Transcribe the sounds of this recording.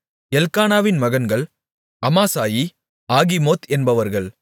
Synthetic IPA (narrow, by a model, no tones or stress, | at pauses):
ɛlkaːnaːʋɪnmɐɣɐnɡɐɭ | ɐmaːsaːji | aːɣimoːt̪ɛnbɐʋɐɾɣɐɭ